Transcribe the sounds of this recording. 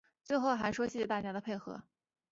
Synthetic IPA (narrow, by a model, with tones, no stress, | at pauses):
t͡swe˥˧ɪxo˥˩ʊxa˧˥ɪʂwɔ˥ɕjɛ˥˩t͡ɕɛ˧˥t̪a˥˩t͡ɕja˥d̪ə˨pʰe˥˩ɪxɤ̰˧˥